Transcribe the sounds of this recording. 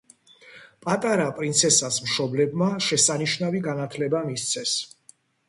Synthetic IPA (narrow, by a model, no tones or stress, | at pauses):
pʼat̪ʼaɾapʼɾint̪sʰɛsasmʃɔblɛbmaʃɛsaniʃnaviɡanat̪ʰlɛbamist̪sʰɛs